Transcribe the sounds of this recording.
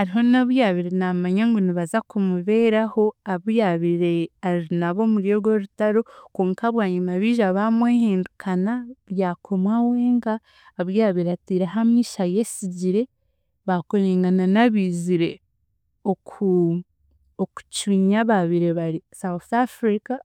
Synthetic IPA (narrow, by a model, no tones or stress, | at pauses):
aɾiɦo̞naβujaβiɾenamaɲaŋɡoniβazakumuβe̞ːɾaho̞aβujaβiɾeaɾinaβo̞muɾjo̞ɾɡoɾutaɾo̞koːŋkaβwaːɲimaβiːʒaβamweːhiːndukʰanaɾjaːkʰo̞mwawe̞ːŋɡaː | βjaβiɾatiɾeɦamiːʃaje̞siɟiɾe̞ | βakoɾeːŋɡananaβiːziɾe̞ | oku | oku̥t͡ʃiːɲaβaβiɾe̞βaɾisawθafɾika